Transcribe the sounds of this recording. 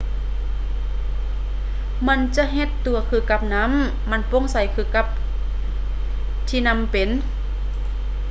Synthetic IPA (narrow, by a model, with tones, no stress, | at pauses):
ma˧˥˨nt͡ɕa˧˨ɦe˧t̪ːu˨˩ɐkʰɯː˧˩ka˧p̚na˧˥mː | a˧˨npo˧˥˨ŋsa˨˧˦jkʰɯː˧˩ka˧˥p̚ | t̪ʰiː˧˨na˧˥˨mpe˨n